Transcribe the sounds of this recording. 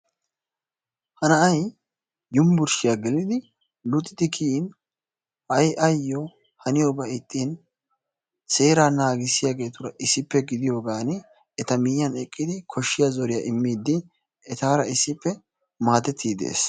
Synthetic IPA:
hɐnɐɐj | jʊmbʊɾʃɪjaɡɪlɪd̪ɪ | lʊt̪ʼːɪd̪ɪkʰin | ʔɐjʔɐjːɔ | hɐnɪjobɐɪt̪ʼːiːn | se̞ːɾaːnaːɡɪsɪjaːɡe̞ːt̪ʊɾɐʔɪsːɪpːɛɡɪd̪ɪjo̞ːɡaːnɪ | ɛt̪ɐmɪjɐnɛkʼːɪd̪ɪkʰɔʃːɪjazɔɾɪjaːʔɪmːiːd̪ːɪ | ɛt̪aːɾɐɪsːɪpːɛ | maːt̪ɛt̪ʰːiːd̪ḛːs

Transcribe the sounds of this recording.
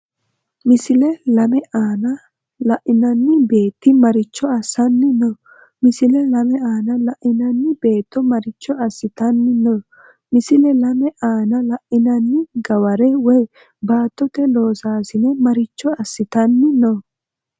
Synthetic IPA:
mɪsɪlɛlɐmɛʔaːnɐ | lɐʔɪnɐnːɪbe̞ːt̪ːɪmɐɾɪt͡ʃːɔɐsːɐnːɪnɔ | mɪsɪlɛlɐmɛaːnɐlɐʔɪnɐnːɪbe̞ːt̪ːɔmɐɾɪt͡ʃːɔɐsːɪt̪ɐnːɪnɔ | mɪsɪlɛlɐmɛʔaːnɐlɐʔɪnɐnːɪɡɐwɐɾɛwɔj | baːt̪ːɔt̪ɛlo̞ːsaːsɪnɛmɐɾɪt͡ʃːɔɐsːɪt̪ɐnːɪnɔ

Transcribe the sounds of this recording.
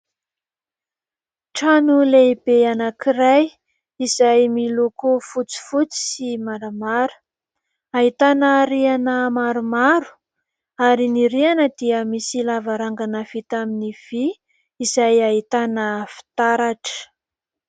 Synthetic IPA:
ʈ͡ʂanuleibeanakiɾaj | iz̥ajmilukufut͡si̥fut͡si̥simaɾamaɾu̥ | aɦit̪anəɾianəmaɾumaɾu̥ | aɾiniɾianəd̪iəmisilavaɾaŋɡanəfit̪aminiv̥iː | zajaɦit̪anəfi̥t̪aɾaʈ͡ʂə̥

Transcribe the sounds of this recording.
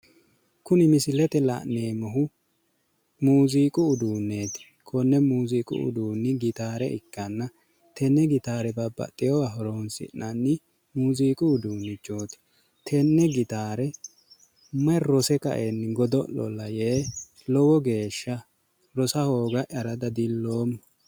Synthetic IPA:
kʊnɪmɪsɪlɛt̪ɛlɐ̰neːmɔɦʊ | muːziːkʼʊːd̪uːnːeːt̪ɪ̥ | kʰɔnːɛmuːziːkʼʊ̰ʊ̰d̪uːnːɪɡɪt̪aːɾɛʔɪkːɐnːɐ | t̪ɛnːɛɡɪt̪aːɾɛbɐbːɐ̰t̪ʼːɪjɔwɐɦɔɾoːnsɪ̰nːɐnːɪ | muːziːkʼʊːd̪uːnːɪd͡ʒoːt̪ɪ̥ | t̪ʰɛnːɛɡɪt̪aːɾɛ | mɐɾɔsɛkɐ̰ʔenːɪɡɔd̪ɔlɔ̰lɐjeː | lɔwɔɡe̞ːʃːɐ | ɾɔsɐhoːɡɐʔɐɾɐd̪ɐd̪ɪlːoːmːɔ

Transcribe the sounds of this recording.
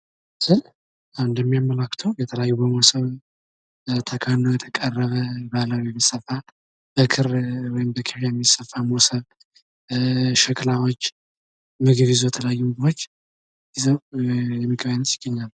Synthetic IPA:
sɨl | awɨnd̪əmːijamːələkːt̪ʰəwjɛt̪ʰələjajːubəmosəβn | t̪ʰəkʰanːəwjɛt̪ʰəkʼərːəβəbaləwjɛmisəfal | b̥əkʰɨɾwɔjɪmbəkʰiβjajɛmːisəfːamosəβ | ʃɨkʰʼlawot͡ʃː | mɨɡɨβizojɛt̪ʰələjajːumɨɡɨɾot͡ʃː | jizəwjɛmːɨkʰʼβənːət̪jɪ̥ɡ̥ːəɲːalː

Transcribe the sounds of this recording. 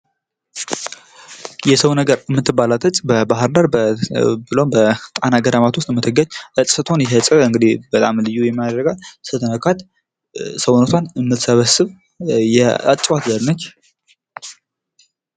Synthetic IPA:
jɛsəwnəɡəɾɨmːɨt̪ʰːɨbːalat̪ʰət͡ʃʼbəbaɦɨɾd̪əɾbbɨlombət̪ʼanaɡəd̪amat̪wʊst̪ʼmɨt̪ʰːɨɡəɲʔət͡sʼsət̪ʰonjɛɦət͡sʼəɨŋɡɨd̪ibət̪ʼamlɨjːujɛmːjad̪ɾəɡalsɨt̪ʰənəkʰat̪ | səwnot̪ʰanɨmːɨt̪səβəsɨβ | jɛa̰t͡ʃʼːwat̪ləlnət͡ʃː

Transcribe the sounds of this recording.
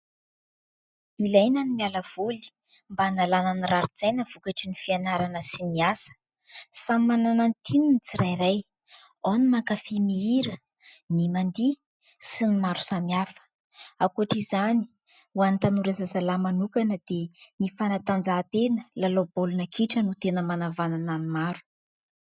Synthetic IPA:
ilajnanimialəv̥uli̥ | mbanalanəniraɾid͡zajnəv̥ukaʈ͡ʂinifianaɾanəsiniasə̥ | samimanananit̪ʰinint͡siɾajɾaj | onimaŋkafimiiɾə | nimand̪i | sinimaɾu̥samiafə̥ | akuaʈ͡ʂizani̥ | uanit̪anuɾazazalamanukanəd̪̥enifanat̪and͡zat̪enəlalobolunakʰiʈ͡ʂənut̪enəmanavanananimaɾu̥

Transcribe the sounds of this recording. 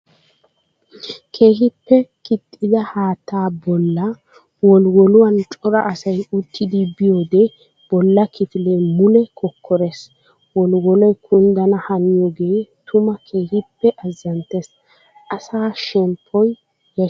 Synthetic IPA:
kʰeːɦɪpːɛkɪt̪ʼːɪd̪ɐhaːt̪ːaːbɔlːɐ | wɔlwɔlʊwɐnt͡ʃʼɔɾɐʔɐsɐjʊt̪ːɪd̪ɪbɪjoːd̪ɛ | b̥ɔlːɐkɪfɪleːmʊlɛkʰɔkːɔɾɛs | wɔlwɔlɔjkʰʊnd̪ɐnɐhɐnɪjoːɡe̞ːt̪ʊmɐkʰe̞ːhɪpːɛʔɐzːɐnt̪ːɛs | ʔɐsaːʃɛmpʰːɔj | jɐ

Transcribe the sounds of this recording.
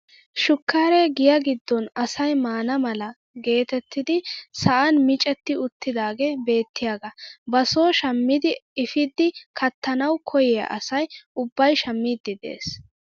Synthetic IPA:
ʃʊkːaːɾeɡɪjɐɡɪd̪ːɔnɐsɐjmaːnɐmɐlɐ | ɡe̞ːt̪ɛt̪ːɪd̪ɪsɐʔɐnmɪt͡ʃʼɛt̪ːɪʊt̪ːɪd̪aːɡebe̞ːt̪ːɪjaːɡɐbɐso̞ːʃɐmːɪd̪ɪɪfɪd̪ːɪkʰɐt̪ʰːɐnɐwkʰɔjɛjɐ̰ʔɐ̰sɐjʊbːɐjʃɐmːiːd̪ːɪd̪e̞̰ːs

